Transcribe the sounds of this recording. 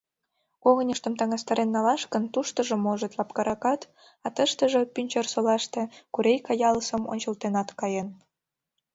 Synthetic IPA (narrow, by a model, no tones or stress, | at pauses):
koɣənʲəʃt̪ə̆mt̪ɑŋɑst̪ɑɾenːɑlɑʃkənt̪uʃt̪ə̆ʒĕmoʒət̪lɑpkɑɾɑkɑt̪ | ɑt̪əʃt̪əʒepynʲt͡ɕersolɑʃt̪e̽kuɾejkɑjɑləsəmo̰nʲt͡ɕə̆lt̪enɑt̪kɑjen